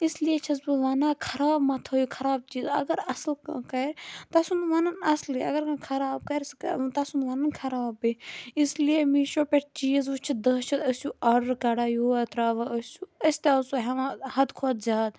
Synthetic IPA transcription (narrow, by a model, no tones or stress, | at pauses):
islijet͡ʃʰɐsbɨʋaːnaːkʰɐɾaːbmɐt̪ʰoːjikʰɐɾaːb̚t͡ʃiːzɐ̰ɡɐɾɐslkɐɾt̪ɐsunʋɐnɐnɐsliɐ̰ɡɐɾkãkʰɐɾaːb̚kɐɾst̪ɐsunʋɐnɐnkʰɐɾaːbɨislijemiːʃoːpeʈt͡ʃiːzut͡ʃʰid̪ɐːt͡ʃʰɐt̪ɐsuɐɖɐɾkɐɽaːjoːɐt̪ɾaːʋɐɐsʲuɐsʲt̪aɐsuɦɐʋahɐd̪kʰoːd̪zʲaːd̪